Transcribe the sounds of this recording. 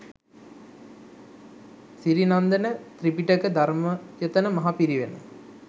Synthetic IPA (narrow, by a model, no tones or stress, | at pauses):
siɾinand̪ənət̪ɾipiʈəkəd̪ʱaɾməjət̪ənəmɐɦapiɾiʋenə̰